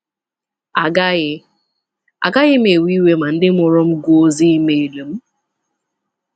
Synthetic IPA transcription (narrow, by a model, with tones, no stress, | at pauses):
a˨ɡa˦ɣɪ˦ | a̰˨ɡa˦ɣɪ˦m̩˦e˨wi˦we˦ma˨n̩˦dɪ˦m̩˦ʊ˨ɾɔ˦m̩˦ɡo˦o˦zi˦i˦me˨e˨do˨m̩˦